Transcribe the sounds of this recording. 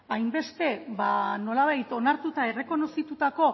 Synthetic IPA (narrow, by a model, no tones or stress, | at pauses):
ajmbe̞st̪e̞βano̞laβ̞ajt̪o̞naɾt̪ut̪ae̞re̞ko̞no̞sit̪ut̪ako̞